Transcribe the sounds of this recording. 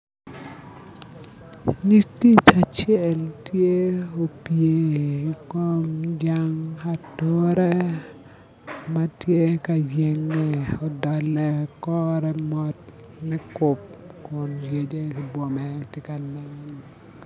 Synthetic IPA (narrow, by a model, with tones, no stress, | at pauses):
ɲi˦kːi˦t͡ʃat͡ʃɛ˦ltje˦o˨pje˦ikɔ˦md͡ʒaŋatoɾɛ˦ | ma˦tje˦ka˨d͡ʒe˦ŋːɛ˨ɔ˨dalːɛ˨kɔɾɛ˦mɔt̚ | nɛ˦kɔp̚kʊ˨nje˨d͡ʒe˦kɪ˨bwɔ˨mɛtɪka˨la˦n